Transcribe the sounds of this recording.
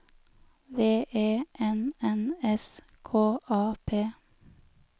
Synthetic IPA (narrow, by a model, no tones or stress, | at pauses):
ʋeːʔeːʔɛnɛnɛs | kʰoːʔɑːpʰeː